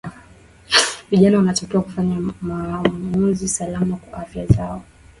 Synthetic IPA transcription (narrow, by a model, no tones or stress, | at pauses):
viʄanawanatakiwakufaɲamamnuzisalamakwaʔafjazaɔ